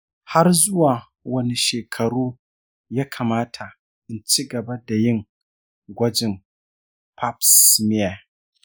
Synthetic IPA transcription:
ha˦rzʊ˦waː˨ | wɐ˦ni˨ʃeː˨kʰɐ˨ɽuː˦ | jaː˦kʰaː˨maː˦tʰa˨ | ʔɪ˨nt͡ʃi˦ɡɐ˨ba˦da˨jɪ˦ŋ | ɡʷɐ˦d͡ʒɪ˨m | pʰa˦psmɪ˦ja˨

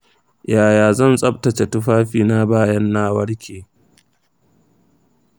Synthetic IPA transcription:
jaː˨jaː˨zɐ˦˨nsʼɐ˦b̚tɐ˨t͡ʃe˨tʊ˦ɸaː˦ɸiː˨na˦baː˦jɐ˦nːaː˦wɐ˦ɽkʲʰeː˨

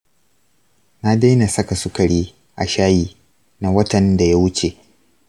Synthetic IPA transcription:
na˦da˦jna˨sɐ˦ka˨sʊ˦kɐ˨ɽiː˦ | ʔa̰˨ʃaː˦jiː˨ | na˦wɐ˦tɐ˨nda˨ja˦wʊ˦t͡ʃe˨

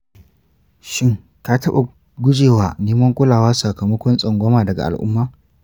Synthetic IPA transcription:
ʃɪ˦ŋ | kaː˦tɐ˦ɓa˨ | ɡʷʊ˦d͡ʒeː˨waː˨neː˦mɐ˦ŋkʷʼʊ˦laː˨waː˦sa˨kɐ˨mɐ˦kʷɔ˦nsʼɐ˨ŋɡʷɔ˦maː˨dɐ˨ɡa̰˨ʔa̰˨lʔʊ̰˦mːaː˦

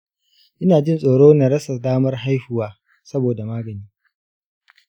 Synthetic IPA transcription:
ʔɪ˦naː˨d͡ʒɪ˦nsʼoː˨ɽoː˦na˨ɽɐ˦sɐ˨daː˦mɐ˦rɦa˦jɸʊ˦waː˦ | sɐ˦boː˨da˨maː˦ɡɐ˨niː˦

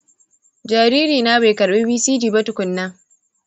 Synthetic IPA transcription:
d͡ʒaː˨ɾi˦ɾiː˨naː˦ba˨jkɐ˨ɾɓeː˦biː˦siː˦d͡ʒiː˨bɐ˦tʊ˨kʷʊ˨nːɐ˦ŋ

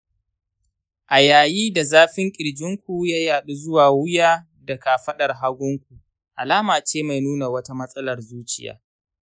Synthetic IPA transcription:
ʔa˨jaː˨jiː˦da˨zaː˦ɸɪ˦ŋkʲʼɪ˨ɽd͡ʒɪ˦ŋkʷu˨jaː˦jaː˨ɗu˦zʊ˦waː˨wʊ˦jaː˦ | dɐ˨ka˨ɸɐ˦ɗɐ˨rɦa˦ɡʷʊ˦ŋkʷu˨ | ʔa˨laː˦maː˨t͡ʃeː˦ma˨jnuː˦na˨wɐ˦ta˦mɐ˦sʼɐ˦lɐ˨rzuː˦t͡ʃɪ˦ja̰ː˦

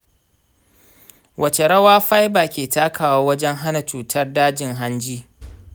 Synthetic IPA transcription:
wʔɐ˨t͡ʃe˨ɽɐ˦waː˦ɸa˦jbaː˨kʲeː˨taː˦kʰaː˨waː˦wɐ˦d͡ʒɛ˦ŋɦa˦na˨t͡ʃuː˨tʰɐ˦rdaː˦d͡ʒɪ˨ŋɦa˦nd͡ʒiː˦

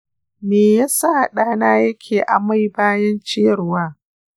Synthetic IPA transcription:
meː˨jaː˦sa˦ha˨ɗaː˦naː˦jɐ˦kʲʰeː˨ʔa˨ma˦˨jbaː˦jɐ˦nt͡ʃɪ˦ɐ˨rwaː˦

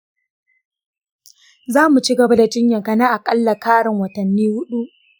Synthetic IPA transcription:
zaː˦mu˨t͡ʃi˦ɡɐ˨ba˦da˨d͡ʒɪ˦ɲjɐ˨kɐ˨naː˦ʔa˨kʼɐ˦lːɐ˨kaː˦ɽɪ˨ŋwɐ˨tɐ˨nːiː˦hʊ˦ɗu˦ʔ

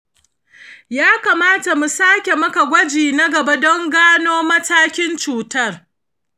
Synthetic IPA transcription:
jaː˦kaː˨maː˦ta˨mu˨saː˦kʲe˨mɐ˦ka˨ɡʷɐ˦d͡ʒiː˨na˦ɡɐ˨ba˦dɔ˦ŋɡaː˦noː˦mɐ˦taː˦kʲɪ˦nt͡ʃuː˨tɐ˦˨r

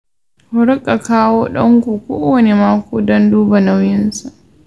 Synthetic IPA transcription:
hʊ˦ɾʊ˦kʼːa˨kaː˦woː˦ɗɔ˦ŋkʷuː˨kʷoː˦wɐ˨ne˨maː˦kʷoː˦dɔ˦nduː˦ba˨na˦wjɪ˦nsa˨ʔ

